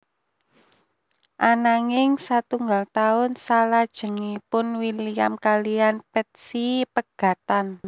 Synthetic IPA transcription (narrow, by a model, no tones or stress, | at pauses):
ʔanaŋɪŋsat̪uŋɡalt̪aʊnsalad̥ʒ̥ə̤ŋipʊnwiliamkalianpɛt̪̚sipəɡ̥a̤t̪an